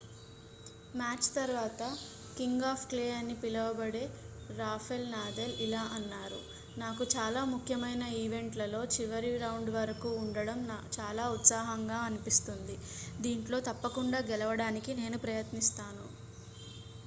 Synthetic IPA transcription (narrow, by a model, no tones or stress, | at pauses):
maːt͡ʃt̪ɐɾʋaːt̪ɐ | kiŋɡaːpʰklejɐɾnipilɐʋɐbɐɽe̞ːɾaːpʰelnaːd̪elilaːʔɐnːaːɾṵ | naːkut͡ʃaːlaːmukʰjɐmɐjnɐiːʋe̞ɳʈlɐlo̞ːt͡ʃiʋɐɾiɾɐwɳɖʋɐɾɐkuːɳɖɐɽɐmnt͡ʃaːlaːut̪saːɦɐŋɡaːɐnipist̪und̪id̪iːɳʈlo̞ːt̪ɐpːɐkuɳɖaːɡɛlɐʋɐɽaːnikine̞ːnupɾɐjɐt̪nist̪aːnu